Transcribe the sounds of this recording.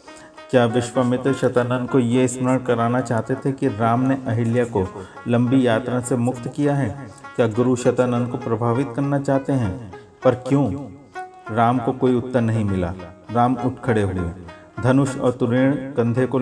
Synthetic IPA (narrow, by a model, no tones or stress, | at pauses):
kjaːʋɪʃʋəmɪt̪ɾʃɐt̪aːnə̃nd̪kojeɪsmɾəɽ̃kɐɾaːnat͡ʃaːɦt̪et̪ʰekiɾaːmneʔɐɦɪljakolɐ̃mbijaːt̪ɾãsemʊkt̪kijaɦɛːkjaːɡʊɾuʃɐt̪anə̃nd̪kopɾɐbʱaːʋɪt̪kɐɾnat͡ʃaːɦt̪eɦɛ̃ː | pɐɾkjõː | ɾaːmkokoːiʊt̪ːəɾnɐɦĩmɪla̰ːɾaːmʊʈʰkʰəɽeɦʊḛː | d̪ʱɐnʊʃɔ̰ːɾt̪ʊɾeːɽ̃ɡɐ̃nd̪ʱeko